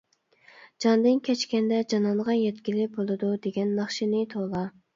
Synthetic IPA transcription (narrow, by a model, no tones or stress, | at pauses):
d͡ʒɑnd̪ɨnkʲʰɛt͡ʃkʲɛnd̪ɛd͡ʒɑnɑnʁɑjɛt̪kʲilɪk̚bolˠɨd̪ud̪eɡʲɛnːɑχʃinɪt̪ʰolˠɑ